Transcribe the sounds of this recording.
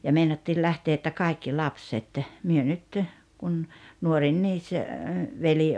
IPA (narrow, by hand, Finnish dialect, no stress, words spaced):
jɑ meinɑtːiːl læhteː etːæ kɑikːi lɑpset myø nyt kun nuorinːiːs ʋeli